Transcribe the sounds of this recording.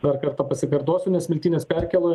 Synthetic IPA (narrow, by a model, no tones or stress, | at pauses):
d̪ɐɾkɐɾt̪ɐːpɐsʲɪpʲɛɾt̪oːsʲʊnʲɛsʋʲɪlʲt̪ʲiːnʲeːspʲɛɾʲkʲɛlˠoːj